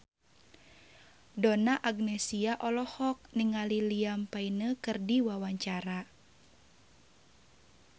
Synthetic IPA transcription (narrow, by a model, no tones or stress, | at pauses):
dɔnaʔaɡnɛsiaʔɔlɔhɔk̚niŋaliliampainəkɨrdiwawaɲt͡ʃaɾa